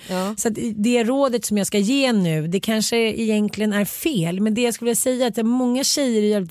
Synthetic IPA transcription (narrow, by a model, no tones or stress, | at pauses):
sɔat̪d̪ɛæɾoːd̪ət̪sɔmjɑːɡskajeːnʉ̟ːd̪ɛkʰanʂəɪjɛnk̪ʰlɪɡənæɾfeːlmɛnd̪ɛjaːskɵləvɪːasɛjːaat̪̚d̪ɛæɾmɔŋːaɕɛjːəɾɪjɛl